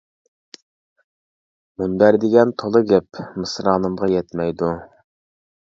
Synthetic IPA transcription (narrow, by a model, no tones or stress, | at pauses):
munb̪æɾd̪ɪɡʲɛnt̪ʰolˠɨɡʲɛpmɨsɾɑːnɨmʁɑjɛt̪mɛjd̪u